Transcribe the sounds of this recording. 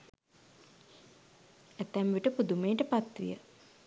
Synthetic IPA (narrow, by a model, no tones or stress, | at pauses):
æt̪æmʋiʈəpud̪umeːʈəpat̪ʋḭjə̰